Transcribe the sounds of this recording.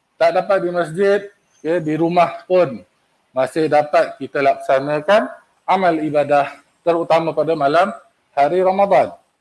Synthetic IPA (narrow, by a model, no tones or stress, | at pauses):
t̪aʔdapat̪̚dimas̬d͡ʒɪt̪̚ | kediɾumahpʊn | masɪhdapat̪̚kit̪əlaksanə̃kan | amalibadah | t̪əɾut̪amãpadamalam | haɾiɾamad̪ˤan